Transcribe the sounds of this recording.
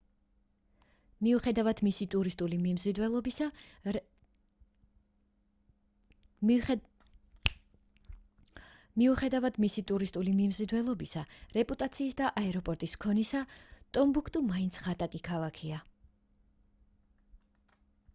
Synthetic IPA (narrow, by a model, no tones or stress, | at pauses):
miuχɛd̪avad̪misit̪ʼuɾist̪ʼulimimzid̪wɛlˠɔbia | miuχɛd̪avad̪̥misit̪ʼuɾist̪ʼulimimzid̪wɛlˠɔbisaɾɛpʼut̪ʼat̪sʰiːsd̪aʔaɛɾɔpʼɔɾt̪ʼiskʰɔnisat̪ʼɔmbukʰt̪ʼumaint̪sʰʁat̪ʼakʼikʰalˠakʰia